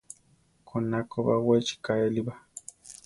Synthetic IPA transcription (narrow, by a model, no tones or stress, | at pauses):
kʰonakoβawet͡ʃi̥kaeliba